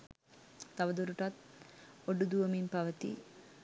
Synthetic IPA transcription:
t̪ɐʋɐd̪uɾuʈɐt̪̚oɖːud̪uʋɐmimpɐʋɐt̪ḭ

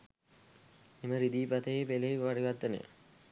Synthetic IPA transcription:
eməɾid̪iːpat̪əjepeleiʋaɽiʋad̪ːənḛ

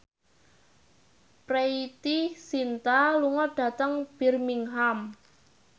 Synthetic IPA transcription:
preit̪isint̪aluŋɔɖ̥ä̤t̪əŋb̥i̤rmiŋɦam

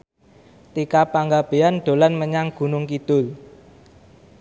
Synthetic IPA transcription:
t̪ikapaŋɡab̥e̤anɖ̪̥o̤lanməɲaŋɡ̥ṳnʊŋkid̪̥ʊl

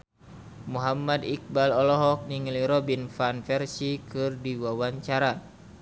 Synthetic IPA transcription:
muɦamadik̚balɔlɔɦɔk̚niŋliɾɔbinfanfɛrsikɨrdiwawaɲt͡ʃaɾa

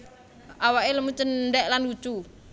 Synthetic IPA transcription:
ʔawaʔeləmut͡ʃəndɛʔlandut͡ʃu

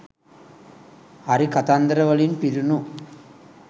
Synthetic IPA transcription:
ɐɾikɐt̪aːnd̪ɐɾɐʋɐlɪnpɪɾɯnu

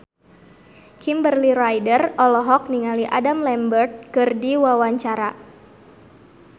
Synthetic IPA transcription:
kimbərliɾajdərɔlɔɦɔk̚niŋaliʔa̰damlɛmbərt̪̚kɨrdiwawaɲt͡ʃaɾa

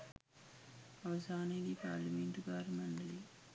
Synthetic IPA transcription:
ɐʋɐsaːneːɡipaːɾlɐmeɳʈuɡaːɾɐmɐɳɖɐli

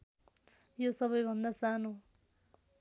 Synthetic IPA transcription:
josʌβʌjbʱʌnd̪asano

